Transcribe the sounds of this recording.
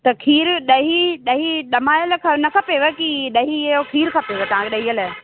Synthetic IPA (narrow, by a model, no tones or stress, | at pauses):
t̪ɐkʰiːɾɗɐɦiɗɐɦiɗɐmaːjəlkʰɐnɐkʰɐpeʋekiɗɐɦijokʰiːɾkʰɐpeʋet̪ɐʋ̤ãŋkeɗɐɦiəl